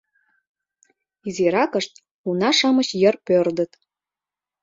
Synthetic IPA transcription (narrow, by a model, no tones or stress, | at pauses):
iziɾɑkəʃt̪̚ | unɑʃə̆mə̆t͡ɕjə̆rpørd̪ə̆t̪